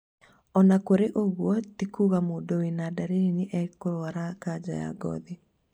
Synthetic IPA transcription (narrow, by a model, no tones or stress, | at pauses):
ɔnakoɾeʔoɣwɔtikuːɣamoːdowenaːdaɾeɾeneʔɛkoɾoaɾakad͡ʑa̰ja̰ɡɔ̰ði